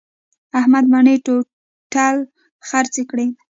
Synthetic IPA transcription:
ahmad̪̚maɳeʈo | ʈal | xaɾt͡sekɽe

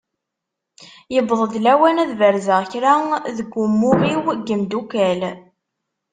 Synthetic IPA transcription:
jəbðˤəðlæwænæðvəɾzəʁçɾaðəɡʷːʊmːʊʁiwɡəmd̪ukæl

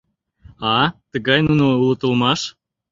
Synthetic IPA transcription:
ɑt̪əɣɑjnunoulɤ̆t̪ə̆lˠmɑʃ

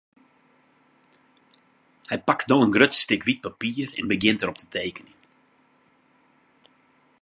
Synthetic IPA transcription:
hɛjpaktdoːənɡrøtstɪkʋit̚papiːərɛ̰nbəɡjɪntəɾɔp̚tʰə̥tʰeːkənin

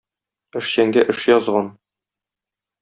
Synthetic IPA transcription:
ɘ̆ʃɕæŋɡæʔɘ̆ʃjɒzʁɑn

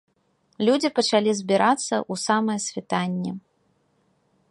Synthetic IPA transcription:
lʲud͡zʲipɐt͡ʂalʲizʲbʲiɾʔat̪sːɐ̰ʔusamɐjɐsʲvʲit̪anʲːɛ

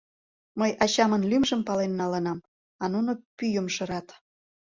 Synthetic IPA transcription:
məjɑt͡ɕɑmənlymʒəmpɑlenːɑlənɑm | ɑnunopyjəmʃəɾɑt̪

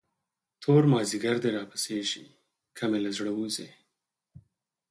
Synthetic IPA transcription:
t̪ʰoɾmɑziɡaɾd̪eɾɑpəseʒḭ | kʰamelazɽəwuze

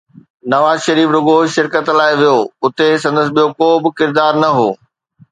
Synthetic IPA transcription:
nɐʋaːzʃɐɾiːfɾʊɡoːʃɪɾkət̪laːɪʋijoʊt̪es̬ɐ̃nd̪əs̬ɓijokoːbɪ̆kɪɾd̪aːɾnɐɦoː

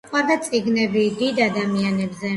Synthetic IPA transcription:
qʼwaɾd̪at̪sʼiɡnɛbid̪id̪ad̪amianɛbzɛ

